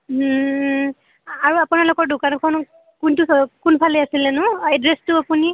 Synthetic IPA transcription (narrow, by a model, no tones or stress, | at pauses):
aɹuapunalʊkɔɹdʊkankʰɔn | kuntukunpʰalɛasilɛnʊɛdɹɛstʊapuni